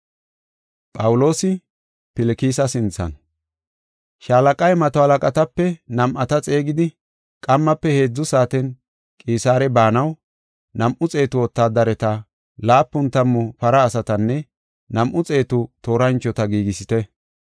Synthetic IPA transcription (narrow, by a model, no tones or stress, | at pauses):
pʼɐwʊlo̞ːsɪ | pɪlɪkiːsɐsɪnt͡sɐ̰n | ʃaːlɐkʼɐjmɐt̪ɔhɐlɐkʼɐt̪ɐpːɛnɐmʔɐt̪ɐt͡sʼe̞ːɡɪd̪ɪ | kʼɐmːɐpːɛhe̞ːd͡zːʊsaːt̪ɛn | kʼiːsaːɾɛbaːnɐw | nɐmʔʊt͡sʼe̞ːt̪ʊwɔt̪ːaːd̪ɐɾɛt̪ɐ | laːpːʊnt̪ɐmːʊpɐɾɐːsɐt̪ɐnːɛ | nɐmʔʊt͡sʼe̞ːt̪ʊt̪o̞ːɾɐnt͡ʃːɔt̪ɐɡiːɡɪsɪt̪ɛ